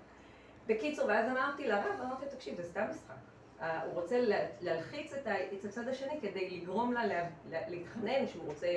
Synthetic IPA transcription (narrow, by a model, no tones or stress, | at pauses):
be̞kit͡suʁveazamaʁt̪ilaʁavamaʁt̪it̪akʃivzestamːisχa̰k | auʁo̞t͡sellealχit͡set̪aet̪at͡sad̪aʃe̞nike̞d̪ejliɡʁo̞mlalleliit̪χane̞nʃeuʁo̞t͡se